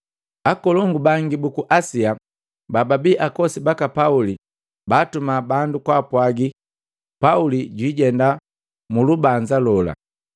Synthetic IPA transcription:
akɔlɔŋɡubaŋɡibukuʔasia | bababiʔakɔsibakapauli | baːtumabandukwapwaɡi | pauliɟwiːɟɛnda | mulubaɲd͡ʒalɔla̰

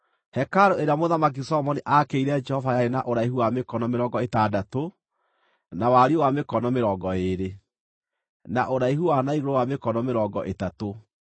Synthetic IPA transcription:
hɛkaɾoeɾeamoðamak̬isɔmɔniʔakeiɾɛd͡ʒɛhɔvajaɾenaʔoɾaiɦuwamekɔnɔmeɾɔŋɡɔetadato | nawaɾiowamekɔnɔmeɾɔːɡɔeɾe | naʔoɾaiɦuwanaiɣoɾowamekɔnɔmeɾɔːɡɔʔetato

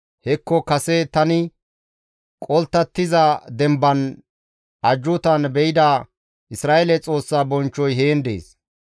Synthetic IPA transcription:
hɛkːɔkɐsɛt̪ɐnɪ | kʼɔlt̪ːɐt̪ːɪzɐd̪ɛmbɐn | ʔɐd͡ʒːʊt̪ɐnbɛjɪd̪a | ʔɪsɾaːʔelɛt͡sʼo̞ːsːaːbɔnt͡ʃːɔjɦeːnd̪ḛːs

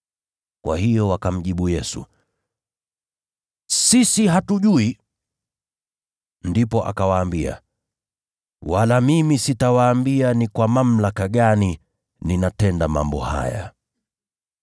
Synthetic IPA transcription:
kwa̰hijɔwakam̩ʄiɓujɛsṵ | sisiɦatuʄui | ndipɔʔa̰kawaːmbia̰ | walamimisitawaːmbianikwamam̩lakaɠani | ninatɛndama̰mbɔ̰ha̰ja̰

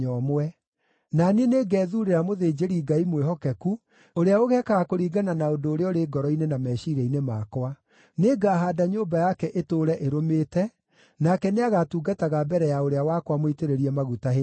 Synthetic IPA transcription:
ɔmwɛ | nanineːɡɛːðuɾeɾamoðeːd͡ʒeɾiɡaimweɦɔkɛku | oɾeaoɣɛkaɣakoɾiːɡananaondoːɾeɔɾeːɡɔɾɔinenamɛːʃiɾɛinemakwa | neːɡaːɦadaɲoːmbajakɛʔetoɾɛʔeɾomeːtɛ | nakɛneaɣatuːɡataɣabɛɾɛjaoɾeawakwamoiteɾeɾiɛmaɣutaɦe

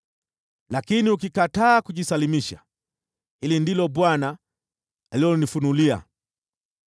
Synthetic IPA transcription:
lakiniuk̬ikataːkuʄisalimiʃa̰ | hilindilɔɓwana | aliɔnifunulia̰

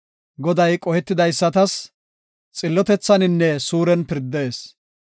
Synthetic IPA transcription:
ɡɔd̪ɐjkʼɔhɛt̪ːɪd̪ɐjsːɐt̪ɐs | t͡sʼɪlːɔt̪ɛt͡sːɐnɪnːɛsuːɾɛnpɪɾd̪eːs

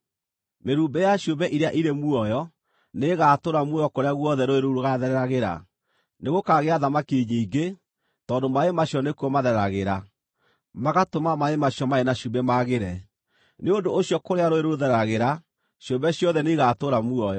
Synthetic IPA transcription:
meɾuːmbɛjaɕjombɛʔiɾeaʔiɾemuɔjɔ | neɣaːtoɾamuɔjɔkoɾeaɣwɔðɛɾoeɾoɾoɣaðɛɾɛɾaɣeɾa̰ | neɣokaɣeaðamakeɲiːɡe | tɔːndomaemaɕjɔnekuɔmaðɛɾɛɾaɣeɾa | maɣatomamaemaɕjɔmaenaɕumbɛmaɣeɾɛ | neondoːɕjɔkoɾeaɾoeɾoðɛɾɛɾaɣeɾa | ɕjombɛɕjɔðɛneɣaːtoɾamuɔjɔ

